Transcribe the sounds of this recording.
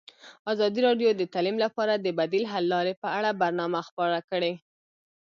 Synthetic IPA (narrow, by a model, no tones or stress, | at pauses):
ɑzɑd̪iɾɑɖjod̪ət̪ɑlimlapɑɾad̪əbad̪ilɦalːɑɾepəaɽabaɾnɑmaxpɑɾakəɽe